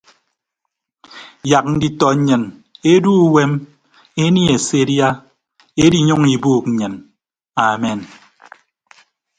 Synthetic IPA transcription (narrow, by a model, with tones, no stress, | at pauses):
ja˨k̚n̩˦di˦tɔ˨˦ɲɨ˨ne˦du˦we˦m | e˦ni˦e˨se˦dja˦ | e˦di˦ɲu˦ŋi˨buː˦˨k̚ɲ̩˨ɲɨ˨n | a˨me˨n